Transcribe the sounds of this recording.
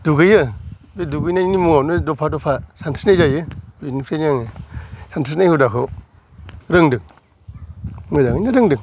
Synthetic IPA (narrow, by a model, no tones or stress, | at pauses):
d̥uɡɯjɯ | beduɡɯjnanimuŋawnɯdɔpʰadɔpʰasantʰi̥snajzajɯinikʰɾenaŋesantʰisnajhudakʰɯ | ɾɯŋdɯŋ | mɯzaŋɯjnaɾɯŋdɯŋ